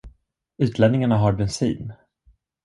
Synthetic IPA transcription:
ʉ̟ːt̪ʰlɛnnɪŋaɳaɦaɾbɛnsḭːn

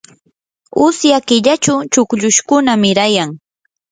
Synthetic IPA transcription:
ʊsjakɪʎat͡ʃʊt͡ʃʊkʎʊʃkʊnamɪɾajaŋ

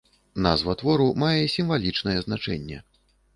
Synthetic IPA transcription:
nazvɐt̪vɔɾumajɛisʲimvalʲit͡ʂnɐjɛznat͡ʂɛnʲːɛ̰

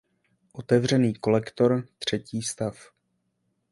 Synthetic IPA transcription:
ʔo̞t̪ɛvr̝ɛniːko̞lɛkt̪o̞ɾt̪r̝̥ɛciːst̪af

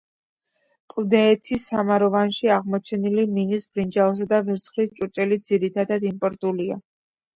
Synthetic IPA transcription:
kʼvd̪ɛːt̪ʰisamaɾɔvanʃiaʁmɔt͡ʃʰɛniliminisbɾind͡ʒaɔs̬ad̪avɛɾt̪sʰχɾist͡ʃʼuɾt͡ʃʼɛlid̪z̥iɾit̪ʰad̪ad̪impʼɔɾt̪ʼulia̰

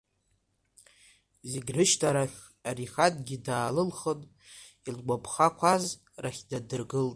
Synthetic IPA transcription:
zeɡʲrɨʃtʰaɾaχʲ | ariχatʼɡʲidaːlɨlχətʼ | ilɡʷapʰχakʷʰaz | raχʲdadɨrɡɨltʼ

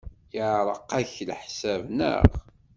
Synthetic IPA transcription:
jəʕɾˤəqːæçlħsævnə̰ʁ

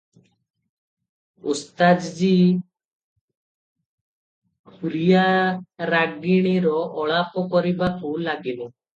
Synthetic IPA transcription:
ust̪ad͡ʒd͡ʒi | kuɾijaɾaɡiɽ̃iɾɔʔɔɭapɔkɔɾibakulaɡilɔ

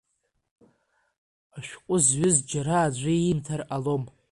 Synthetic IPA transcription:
aʃᶣqʷʼʊzɥɪzd͡ʒaɾaːd͡ʒʷiimtʰaralo̞m

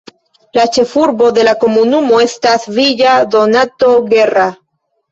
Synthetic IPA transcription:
lat͡ʃefuɾβoðelakomunumoest̪aθβiʎaðonat̪oɣera

